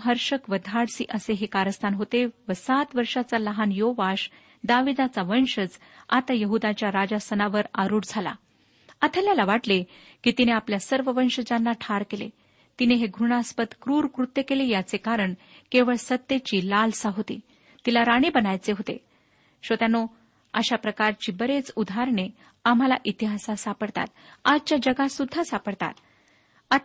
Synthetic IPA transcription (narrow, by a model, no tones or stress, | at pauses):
ɦəɾʂəkʋəd̪ʱaɽsḭʔəseɦekaɾəst̪ʰanɦot̪eʋəsat̪ʋəɾʂat͡saləɦanjoʋaɕ | d̪aʋid̪at͡saʋənɕəd͡z | at̪ajəɦud̪at͡ɕjaɾad͡ʑasənaʋəɾaɾuːɽd͡zʱala̰ | at̪ʰəljalaʋaʈlekit̪ineapljasəɾʋəʋənɕəd͡ʑanːaʈʰaɾkelḛ | t̪ineɦeɡʱɾuɳ̃aspət̪kɾuːɾkɾut̪jəkelejat͡sekaɾəɳ | keʋəɭsət̪ːjet͡ɕiːlalsaɦot̪ḭː | t̪ilaɾaɽ̃ibənajt͡seɦot̪ḛ | ɕʋət̪jano | ə̰ɕapɾəkaɾt͡ɕiːbəɾet͡sud̪ʱaɾɳe | am̤alaʔit̪iɦasasapəɽt̪a̰t̪̚ad͡ʑt͡ɕjad͡ʑəɡasud̪ʱːasapəɽt̪a̰t̪ | a